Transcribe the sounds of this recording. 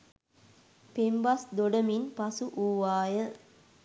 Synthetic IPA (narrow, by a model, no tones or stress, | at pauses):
pembasd̪oɖəminpasuʔuːʋaːjə